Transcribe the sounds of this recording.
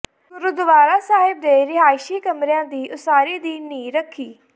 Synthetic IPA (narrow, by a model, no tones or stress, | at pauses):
ɾʊd̪ʊʋaːɾaːsaːɦɪb̚d̪eːɾɪɦaːɪʃiːkəmɾejãːd̪iːʔʊsaːɾiːd̪iːnĩːɾəkʰːiː